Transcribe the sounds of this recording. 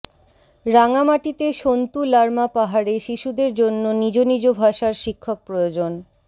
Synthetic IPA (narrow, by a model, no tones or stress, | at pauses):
ɾaŋamaʈit̪eʃont̪ulaɾmapaɦaɾeʃiʃud̪eɾd͡ʑonːonid͡ʑonid͡ʑobʱaʃaɾʃikʰːok̚pɾojod͡ʑon